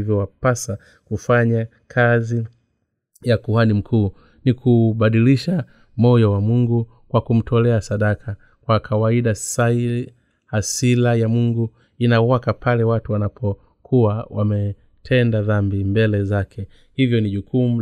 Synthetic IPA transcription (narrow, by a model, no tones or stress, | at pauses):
ivjɔwapasa | kufaɲa | kʰazi | jakuwanim̩kʰuː | nikuɓaɗiliʃa | mɔjɔwamuŋɡu | kwakum̩tʰɔlɛasaɗakʰa | kwakʰawaiɗasai | hasilajamuŋɡu | inawakapʰalɛwatuwanapʰɔ | kʰuwawamɛ | tʰɛndaðambimbɛlɛzakʰɛ | hivjɔniʄukʰumu